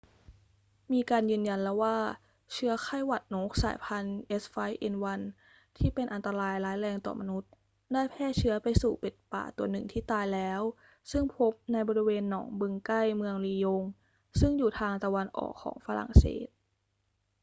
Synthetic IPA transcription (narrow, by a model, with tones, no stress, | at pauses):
miː˧kaː˧njɯː˧nja˧nlɛː˦˥waː˥˩ | t͡ɕʰɯ˦˥ɐkʰa˥˩jwa˨˩t̪̚noː˦˥k̚sa̰ː˩˦jpʰa˧nʔe˦˥sfa˦˥jʔe˧nwa˧n | t̪ʰiː˥˩pe˧nʔa˧nt̪a˧ɾaː˧jlaː˦˥jɾɛː˧ŋt̪ɔ̰ː˨˩ma˧nu˦˥t̪̚ | daː˥˩jpʰɛː˥˩t͡ɕʰɯ˦˥ɐpa˧jsuː˨˩pe˨˩t̪̚pa̰ː˨˩t̪u˧˩ɐnɯ˨˩ŋt̪ʰiː˥˩t̪aː˧jlɛː˦˥w | sɯ˥˩ŋpʰo˦˥p̚na˧jbɔː˧ɾi˧weː˧nːɔ̰ː˩˦ŋbɯ˧ŋka˥˩jmɯ˧əŋliː˧jo˧ŋ | sɯ˥˩ŋjuː˨˩t̪ʰaː˧ŋt̪a˧wa˧nʔɔ̰ː˨˩kʰːɔ̰ː˩˦ŋfaː˧ɾa̰˨˩ŋsḛː˩t̪̚